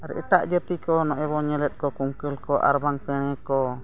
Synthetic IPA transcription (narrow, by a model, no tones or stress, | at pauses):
aɾɛ̰ʔəʈ̪aʔd͡ʒət̪ikɔnɔʔɛβɔɲəlɛt̪̚kɔkuŋkəlkɔʔa̰ɾbaŋpɛɽ̃ɛkɔ